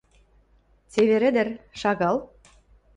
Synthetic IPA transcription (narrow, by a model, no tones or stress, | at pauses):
t͡seβeɾɘ̆d̪ɘ̆rʃɑɣɑl